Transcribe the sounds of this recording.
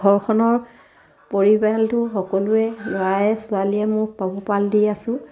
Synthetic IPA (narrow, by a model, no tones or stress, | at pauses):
ɔɹkʰɔnɔɹ | poɹibaltʊxɔkɔlʊɛlɔɹajɛsʊaliɛmʊpabɔpaldiasʊ̃